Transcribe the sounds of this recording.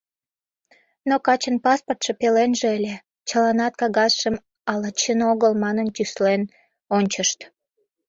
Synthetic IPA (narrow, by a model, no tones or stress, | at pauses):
nokɑt͡ɕənpɑsport̪ʃepelenʒeelʲe | t͡ɕəlɑnɑt̪̚kɑɣɑsʃəm | ɑlɑt͡ɕənoɣəlmɑnənt̪ʲyslen | onʲt͡ɕəʃt̪